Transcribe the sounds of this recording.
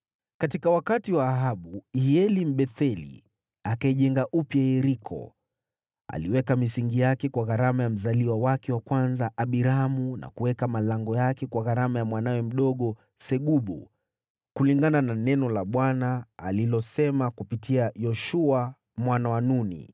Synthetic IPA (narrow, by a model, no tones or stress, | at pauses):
katikawakatiwaːɦaɓuiɛlim̩ɓɛθɛlḭ | akaiʄɛŋɡaʔupjaɛɾikʰɔ̰ | a̰liwɛkamisiŋɡijakɛkwaɣaɾamajam̩zaliwawakɛwakwanzaʔaɓiɾamuna̰kuwɛkamalaŋɡɔjakɛkwaɣaɾamajamwanawɛm̩ɗɔɠɔ | sɛɠuɓṵ | kuliŋɡanananɛnɔlaɓwanaːlilɔsɛmakupitʰiajɔʃua | mwanawanunḭ